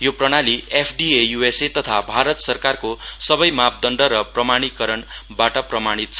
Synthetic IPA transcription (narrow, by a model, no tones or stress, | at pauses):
joprʌɽ̃aliepʰɖiejueset̪ʌt̪ʰabʱaɾʌt̪sʌrkarkosʌbʌjmap̚d̪ʌɳɖʌɾʌprʌmaɽ̃ikʌɾʌnbaʈʌprʌmaɽ̃it̪̚t͡sʰʌ